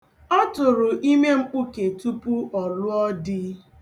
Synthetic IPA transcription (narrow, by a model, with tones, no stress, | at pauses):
ɔ˦tʊ˨ɾʊ˨ʔi˦me˦ŋ͡m̩˦k͡pu˦ke˨tu˦pu˦ʔɔ˨ɾʊ˦ɔ˦dɪ˦